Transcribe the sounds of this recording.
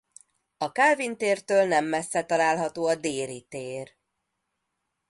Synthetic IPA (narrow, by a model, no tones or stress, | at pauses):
ɒkaːvint̪eːrt̪øːlnɛmːɛsːɛt̪ɒlaːlɦɒt̪oːɒd̪eːɾit̪eːr